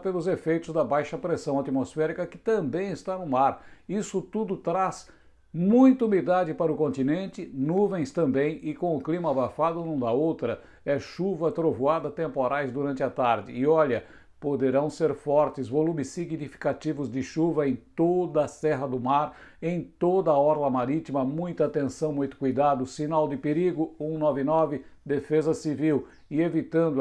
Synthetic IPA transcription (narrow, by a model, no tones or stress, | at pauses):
pelʊzefejt̪ʊzd̪ɐbajʃɐpɾesɐ̃w̃at̪imosfɛɾikɐkɪ̥t̪ɐ̃mbẽj̃ɪst̪anʊmaɾisʊt̪ud̪ʊt̪ɾaz | mũj̃t̪ɐumid̪ad͡ʒɪpaɾɐʊkõnt̪inẽnt͡ʃɪnuvẽj̃st̪ɐ̃mbẽj̃ɪkõw̃ʊklimɐabafad̪ʊnũd̪ɐowt̪ɾɐ | ɛʃuvɐt̪ɾovuad̪ɐt̪ẽmpoɾajzd̪uɾɐ̃ntt͡ʃɪɐt̪aɾd͡ʒɪ̰ɪɔʎɐ | pod̪eɾɐ̃w̃seɾfɔɾt͡ʃ̪ɪzvolũmɪsːiɡnifi̥kat͡ʃ̪ivʊzd̪ɪʃuvɐẽj̃t̪od̪ɐːsɛɦɐd̪ʊmaɾ | ẽj̃t̪od̪ɐɔɾlɐmaɾit̪imɐmũj̃t̪ɐat̪ẽsɐ̃w̃mũj̃t̪ʊ̥kujd̪ad̪ʊsinawd̪ɪpeɾiɡʊũnɔvɪnɔvɪd̪efezɐsiviw | ɪevit̪ɐ̃nd̪ʊ